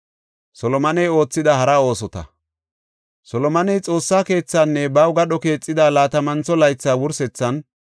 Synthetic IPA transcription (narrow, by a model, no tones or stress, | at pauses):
sɔlɔmɐnɛjo̞ːt͡sːɪd̪ɐhɐɾɐo̞ːsɔt̪ɐ̰ | sɔlɔmɐnɛjt͡sʼo̞ːsːaːke̞ːt͡sːaːnːɛbɐwɡɐɗɔke̞ːt͡sʼːɪd̪aːlaːt̪ɐmɐnt͡sɔlɐjt͡sːaːwʊɾsɛt͡sːɐn